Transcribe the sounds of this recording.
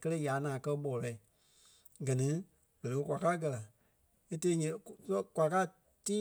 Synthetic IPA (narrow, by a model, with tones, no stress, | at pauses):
kə˦le˦ja˨˦nãː˨kɜ˧ɓɔ˨lɛ˧˨ | ɡɜ˨nĩ˨˦ | b̥ə˨le˨o˦˧kʷa˨ka˦ɡɜ˧la˨ | e˦te˧˦ɲĩ˨˦kʷa˨˧ka˦˨ | tiː˦